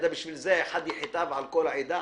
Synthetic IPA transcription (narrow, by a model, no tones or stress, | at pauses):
d̪abɪʃvilzeʔeħad̪jɪħt̪avʕalkolaʕid̪a